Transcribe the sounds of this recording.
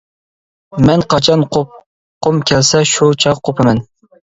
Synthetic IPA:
mɛnqʰɑt͡ʃʰɑnqʰop̚ | qʰomkʲʰɛlsɛʃut͡ʃʰɑʁqʰopʰɨmɛn

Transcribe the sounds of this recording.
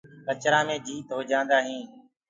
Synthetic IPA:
kət͡ʃɾãːmẽːd͡ʒiːt̪ɦoːd͡ʒãːnd̪aːɦĩː

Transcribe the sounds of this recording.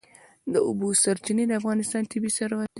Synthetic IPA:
d̪əʊbusaɾt͡ʃined̪əafɣɑnɪst̪ɑnt̪ɪbisaɾwat̪̚

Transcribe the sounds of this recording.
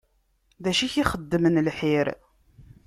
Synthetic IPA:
ðæʃiçiχəd̪ːəmənlħiɾ

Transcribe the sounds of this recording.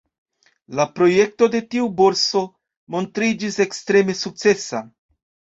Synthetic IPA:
lapɾo̞je̞k̚to̞de̞tiubo̞ɾso̞ | mo̞ntɾid͡ʒise̞kstɾe̞me̞suk̚t͡se̞sa

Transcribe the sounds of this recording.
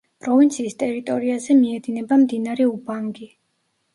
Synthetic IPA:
pʼɾɔvint̪sʰiːst̪ʼɛɾit̪ʼɔɾiazɛmiɛd̪inɛbamd̪inaɾɛubaŋɡi

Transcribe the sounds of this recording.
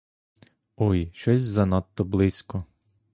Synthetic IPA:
ɔjʃt͡ʃɔsʲzɐnat̪ːɔblˠɪsʲkɔ

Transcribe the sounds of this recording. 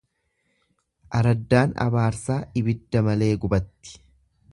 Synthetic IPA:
ʔɐɾɐd̪ːaːnɐ̰baːɾsaːɪbɪd̪ːɐmɐle̞ːɡʊbɐt̪ːɪ̥

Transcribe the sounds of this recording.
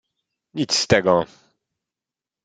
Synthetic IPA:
ɲit̪sst̪ɛɡɔ

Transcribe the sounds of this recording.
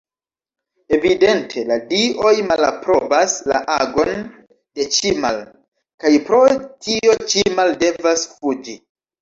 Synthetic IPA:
e̞vide̞ntʰe̞ladiʔo̞jmala̰pɾo̞basla̰ʔaɡo̞n | de̞t͡ʃimal | kajpɾo̞tio̞t͡ʃimalde̞vasfud͡ʒi

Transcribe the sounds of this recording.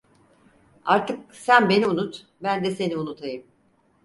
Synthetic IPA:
aɾt̪ʰɯk̚sænbe̞niunut̪ | bænd̪ɛse̞niunut̪ʰajɯm

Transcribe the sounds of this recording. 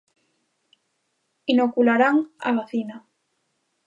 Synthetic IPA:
inokulaɾaŋa̰βaθina

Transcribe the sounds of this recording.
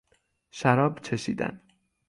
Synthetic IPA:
ʃæɾɒːbt͡ʃʰeʃḭːd̪æ̰n

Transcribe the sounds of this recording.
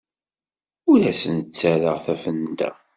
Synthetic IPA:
ʊɾæsənt͡sːæɾəʁθæfənd̪æ̰

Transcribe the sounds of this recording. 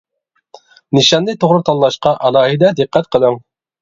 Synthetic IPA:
nɨʃɑnːɨt̪ʰoʁɾɨt̪ʰɑlːˠɑʃqɑʔɑlˠɑːɦid̪ɛd̪ɨqʰːæt̪̚qʰəlˠɨŋ

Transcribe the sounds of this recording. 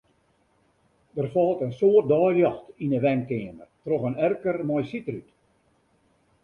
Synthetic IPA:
dərfɔlˠtənsoət̚dɔːrjɑxtinəʋɛŋkɪːəmərtroxənɛrkərmɔjsitəryt

